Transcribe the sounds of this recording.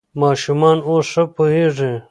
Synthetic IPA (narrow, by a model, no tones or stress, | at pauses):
mɑːʃumɑːnoːsʂɐpoɦeːʐẽː